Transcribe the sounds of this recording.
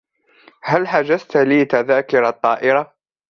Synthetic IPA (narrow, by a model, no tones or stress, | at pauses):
halħad͡ʒazt̪liːt̪aðaːkʊɾɑt̪ˤːɑːʔɪɾa